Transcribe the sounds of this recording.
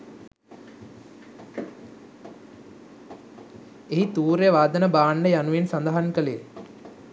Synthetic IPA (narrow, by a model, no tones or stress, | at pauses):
eɦit̪uːɾjəʋaːd̪ənəbaːnɖəjanuʋensand̪aɦankəleje